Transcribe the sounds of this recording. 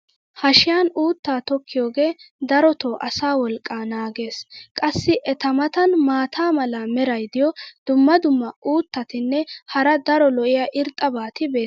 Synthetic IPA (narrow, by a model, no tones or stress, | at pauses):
hɐʃɪjaːnuːt̪ːaːt̪ɔkːɪjoːɡe̞ːd̪ɐɾɔt̪oːʔɐsaːwɔlkʼːaːnaːɡe̞ːskʼɐsːɪʔɛt̪ɐmɐt̪ɐnmaːt̪ʰaːmɐlɐmɛɾɐjd̪ɪjɔd̪̥ʊmːɐd̪ʊmːɐʔuːt̪ːɐt̪ɪnːɛhɐɾɐd̪ɐɾɔlɔʔɪjaʔɪɾt̪ʼːɐbaːt̪ɪbe̞ː